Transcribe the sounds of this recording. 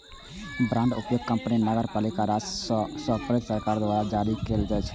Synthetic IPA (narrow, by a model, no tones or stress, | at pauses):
bɾãːɳɖʊpjoɡ̚kə̃mpninəɡəɾpaːlikaɾassəpɾed̪səɾkaɾd̪ʋaɾad͡ʒaɾikeld͡ʒaːt͡ʃʰɛ̥